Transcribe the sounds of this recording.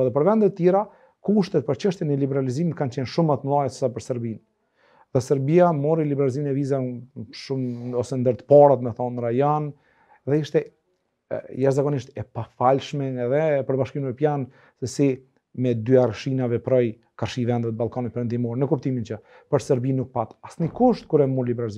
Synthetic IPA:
ðɛp̬əɾvɛnd̪ɛt̪ət̪jɛɾa | kuʃt̪ɛt̪̚pəɾt͡ɕəʃt̪jɛnɛlibɛɾalizimit̪kant͡ɕɛnʃumat̪əmlˠajɛt̪sə̥sapəɾsəɾbin | ðɛsɛɾbiamɔɾilibɛɾaliziminɛvizaʃumɔsɛnd̪əɾt̪paɾat̪mɛθɔnɾajan | ðɛiʃt̪ɛ | jaʃzakɔniʃt̪ɛpafalʃmɛnɛðɛpəɾbaʃkimmɛpjan | sɛsi | mɛd̪yaɾʃinavɛpɾɔj | kaɾʃivɛnd̪ɛt̪̚balˠkanit̪̚pɛɾɛnd̪imɔɾɛnəkupt̪imint͡ɕə | pəɾsɛɾbinːuk̚pat̪asnikuʃt̪̚kuɾɛmuɾlibɛɾalizi

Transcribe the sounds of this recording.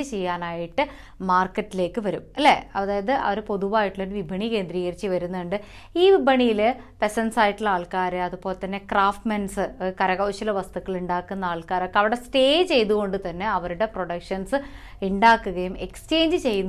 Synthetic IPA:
ɨt͡ɕe̞jːaːnaːjiʈːɨ | maːrkːɐtːile̞ːkːɨʋɐɾumɐlːḛɐ̰ðaːjɐðɨʔɐ̰ʋɐɾupo̞ðuʋaːjiʈːiloɾuʋibʱɐɳike̞ːnd̪riːɣɐɾit͡ɕːiʋɐɾunːɐɳɖɨ | iːʋibʱɐɳijilpe̞sɐnsaːjiʈːilaːɭkaːɾɨɐðupoːlt̪ːɐnːe̞kraːfʈmɐnsɨkɐɾɐɣɐʋɕilɐʋɐst̪ukːɐɭuɳɖaːkːunːɐaːɭkaːɾokːeɐʋiɽe̞ste̞ːt͡ɕe̞jt̪uɣo̞ɳɖɨt̪ɐnːe̞ɐʋɐɾuɽe̞pro̞ɽɐkʂɐnsɨ | iɳɖaːkːuɣɐjume̞̰kst͡ɕe̞ːɲd͡ʑɨt͡ɕe̞jːunː

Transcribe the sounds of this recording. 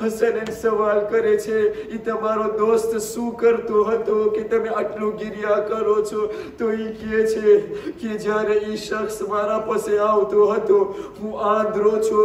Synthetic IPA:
ɦəsənensəʋalkəɾet͡ʃʰeit̪əmaɾod̪ost̪sũkəɾt̪oɦət̪oket̪əmeəʈlũɡiɾijakəɾot͡ʃʰot̪oikiet͡ʃʰeked͡ʒjaɾeiʃəkʰsmaɾapəseaʋt̪oɦət̪oɦũãnd̪ʱɾot͡ʃʰo

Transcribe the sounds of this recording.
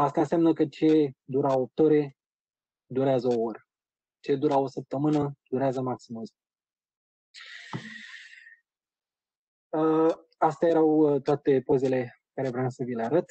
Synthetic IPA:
ast̪ansʲamnəkət͡ʃe̞d̪uɾaop̚t̪oɾe̞ | d̪uɾeazəooɾə | t͡ʃe̞d̪uɾao̞səp̚t̪əmɨnəd̪uɾeazəmaksimuz | ə | ast̪aje̞ɾawt̪oat̪e̞poze̞le̞ekaɾe̞vɾeamsəvileaɾət̪

